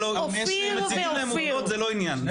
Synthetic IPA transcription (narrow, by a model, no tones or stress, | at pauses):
lo | m | si | lemudot̪zeloinjan